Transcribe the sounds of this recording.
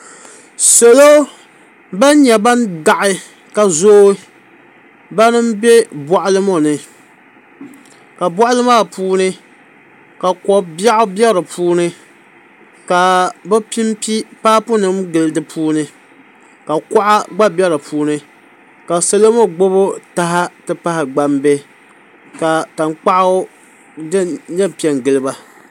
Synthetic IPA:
se˨lo˦ | ba˦n˦ɲɛ˨ba˦n˦da˨ʔɪ˦ | ka˨zoː˦ | ba˦nɨ˦m˦bɛ˦bɔ˨ʔʊ˦lɨ˦mo˦˨nɨ˨ | ka˨bɔ˦ʔʊ˦lɨ˦maː˦˨puː˦nɨ˦ | ka˨kɔ˨ba˦ʔʊ˦bɛ˦ɾɨ˨pʰuː˦nɨ˦ | ka˨bɛ˦pi˦mpi˦paː˦pʊ˦nɨ˦mɡɨ˨lɨ˦dɨ˦pʰuː˦nɨ˦ | ka˨kɔ˦ʔa˦ɡ͡ba˦bɛ˦ɾɨ˨puː˦nɨ˦ | ka˨sɛ˦lo˦mo˦ɡ͡bo˦bo˦ta˦ɦa˦tɨ˦pa˦hɪ˨ɡ͡ba˦mbe˦ | ka˨ta˨ŋk͡pa˦ʔa˦ | dɨ˦ɲɛ˦pi˨ɛ˨nɡɨ˨lɨ˦ba˦

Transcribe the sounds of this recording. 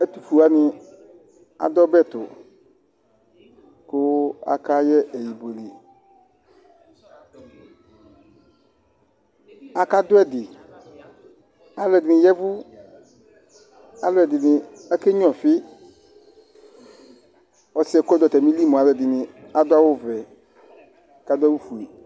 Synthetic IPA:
ɛ˦t̪u˦fu˨a˦nɪ̃˦ | a̰˨d̪ɔ˦bɛ˦˨t̪ʊ̰˨ | kʊ˦a̰˨ka˦jɛ˦ʔe˨ji˨bo˨lḭ˨ | a˨ka˦d̪ʊ˦ɛ˦dɪ˨ | a˨lɛ˨dɪ˨nĩ˨jɛ˦vʊ˦ | a˨lɔ˦ɛ˨dɪ˨nɪ̃˨ɛ˦ke˦ɲ˦ɔ̃˨fɪ˦ | ɔ˨sɪ˦ɛ˨kd̪ɔ˨t̪ɛ˨mĩ˦li˦mɔ̃˨a˨lɛ˨dɪ˨nĩ˨a˨d̪ʊ˦a˦wo˦vɛ˨ | ka˦d̪ʊ˦ɛ˦wu˦fu˨e˨

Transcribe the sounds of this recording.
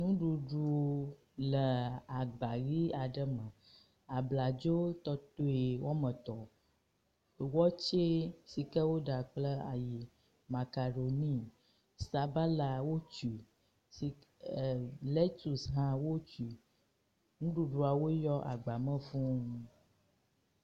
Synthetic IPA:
nũ˦ɖu˨ɖu˨˦ | lə˨a˨ɡ͡ba˨ɣi˦a˨ɖə˦mə̃˨ | a˨bla˨d͡ʒo˦t̪ɔ˦t̪o˦e˨wɔ˦mə̃˨t̪ɔ˨ | wɔ˦t͡ʃe˦si˨kə˦wo˦ɖa˨k͡plə˦a̰˨ji˨ | ma˨ka˨ɖo˨nĩ˦ | sa˨ba˦la˨wo˦t͡ʃu˨ | si˨ | le˦t̪u˨sɦã˦wo˦t͡ʃi˨ | ŋũ˦ɖu˦ɖu˨a˨wo˦jɔ˦ʔa̰˨ɡ͡ba˨mə̃˦fũ˦

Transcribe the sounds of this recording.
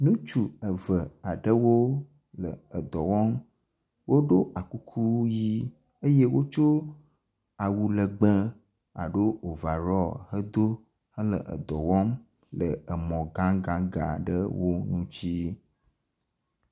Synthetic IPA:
nũ˦t͡ʃu˨ə˨və˨a˨ɖə˦wo˦ | lə˨ə˨d̪ɔ˨wɔ˦m | wo˦ɖo˦ʔa˨ku˦kʰu˦ji˦ | ə˦je˦wo˦t͡ʃo˦ | a˨wu˨lə˨ɡ͡bə˦ | a̰˨ɖo˦o˨va˨ɾɔ˦hə˦d̪o˦ | hə˦lə˨ʔə̰˨d̪ɔ˨wɔ˦m | lə˨ə˨mɔ̃˨ɡã˦ɡã˨ɡa̰˨ɖə˦wo˦nũ˦t͡ɕi˦

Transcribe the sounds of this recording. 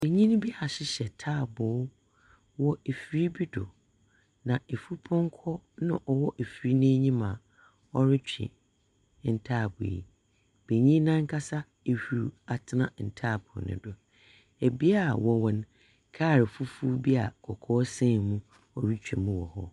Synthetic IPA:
be˨ɲĩ˦n˦bi˦a˨ɕɪ˦ɕɛ˨tʰaː˦˨bʊ˨˦ | wɔ˦e˨fi˦ɾi˦bi˦dʊ̰˨ | nã˨e˨fu˦pʰɔ̃˦ŋ˦kʰɔ˦nã˦ʔɔ˨wɔ˦ʔe˨fi˨ɾi˦nɪ̃˦ɲĩ˦mã˨ | ɔ˦ɾɪ˦t͡ɕᶣḭ̃˨ | n̩˨tʰaː˦˨bʊ̰˨ḭ˨ | b̥e˨ɲĩ˦nã˦ŋ̩˦kʰa˦sa˦ | e˨hu˨ɾu˨a˨tʰɪ˦nã˨n̩˨tʰaː˦˨bʰʊ̰˨nɪ̰̃˨dʊ˨ | e˨bi˦a˦˨wɔ˨wɔ̃˨ñ˦ | kʰaː˦˨ɾɪ˨fu˦fu˦bi˦a˨kʰɔ˨kʰɔː˦sɛ̃˦˨mũ˦ | ɔ˨ɾi˦t͡ɕᶣḭ˨mũ˦wɔ̰˨hɔ˦

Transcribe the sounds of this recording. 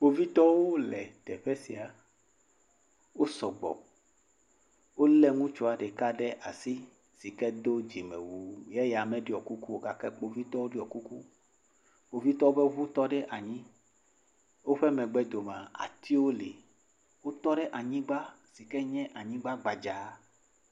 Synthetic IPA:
k͡po˦vi˦t̪ɔ˦wo˦lɛ˨t̪ɛ˨ɸɛ˦si˨a˨ | wo˦sɔ˨ɡ͡bɔ̰˨ | wo˦lɛ˦ŋũ˦t͡ʃo˨a˨ɖe˨ka˦ɖɛ˦ʔa˨si˦ | si˨kɛ˦d̪o˦d͡ʒi˨mḛ˨wu˨jɛ˦ja˨mɛ̃˦ɖe˦˨ɔ˨ku˦ku˦wo˦ɡa˨kɛ˦k͡po˨vi˦t̪ɔ˦wo˦ɖi˦ɔ˨ku˦ku˦ | k͡po˨vi˦t̪ɔ˦wo˦be˦vu˦t̪ɔ˦ɖɛ˦ʔa˨ɲĩ˦ | wo˦ɸɛ˦mɛ̃˨ɡ͡bɛ˦d̪o˨mã˨a̰˨t̪i˦wo˦lḛ˨ | wo˦t̪ɔ˦ɖɛ˦ʔa˨ɲĩ˦ɡ͡ba˦ | si˨kɛ˦ɲɛ̃˦ʔa˨ɲĩ˦ɡ͡ba˦ɡ͡ba˨d͡ʒa˨˦

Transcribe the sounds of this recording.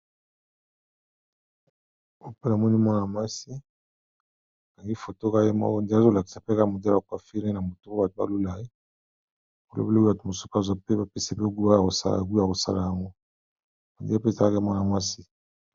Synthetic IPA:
o˨pe˦na˨mɔ˦ni˦mɔ˦na˨ma˦si˦˨ | ka˨ŋɡi˦fo˨to˦ka˦je˦mɔ̰˦kɔ˦n˨di˦a˦zo˦˨la˨ki̥˨sa˨pe˦ka˨mo˨da˦a˨ka˨fi˦ɾe˦na˨mo˨tu˦ba˨to˨ba̰˦lu˦la˨e˦ | bo˨lʔo̰˦be˦o˦ba˨to˨mo˨so̥˦pa˦za˦˨pe˦ba˦pe˦se˦pe˦ɡko˨sa̰˨ɡu˦a˨ko˨sa̰˦la˨ja˦ŋɡɔ˦ | a˨dḭ˨˦a˦pe˦˨za˨la˦ka˦mɔ˦na˨ma˦si˦

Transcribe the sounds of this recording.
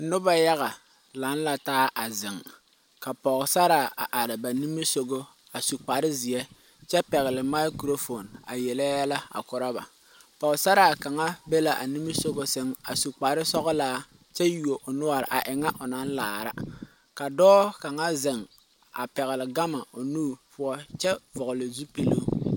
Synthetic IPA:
nʊ˦ba˦ja˦ɣa˨ | la˨˦n˦la˨taː˦ʔa˨zɪ˨ŋ | ka˨pɔ˨ɣsa˦ɾa˨a̰˨ʔa˨ɾɪ˨ba˨ni˦mi˦so˦ɡo˦ | a˨su˨k͡pa˨ɾɪ˦zɪ˨ɛ˦ | t͡ʃɛ˦pɛ˨ɣɪ˨lɪ˨ma˦ɪ˦kɾo˦fo˨na̰˨jɛ˨lɛ˦ja˦la˦a̰˨kʊ˨ɾa˦ba̰˨ | pɔ˨ɣsa˦ɾa˨ka˨ŋa˦be˦la˨ʔa̰˨ni˦mi˦so˦ɡo˦sɪ˦ŋa̰˨su˨k͡pa˨ɾɪ˦sɔ˦ɣʊ˦laː˦ | t͡ʃɛ˦ju˨o˨ʔo˨nʊ˦a˨ɾɪ̰˨ʔa˨ʔɪ˨ŋa˦ʔʊ˨na˦n˦laː˨ɾa̰˦ | ka˨dɔː˦ka˨ŋa˦zɪ˨ŋ | a̰˨pɛ˨ɣɪ˨lɪ˨ɡa˦ma˨o˨nuː˦˨pʊ˦ɔ˦t͡ʃɛ˦vʊ˨ɣʊ˨lɪ˨zu˦pe˦lo˦˨

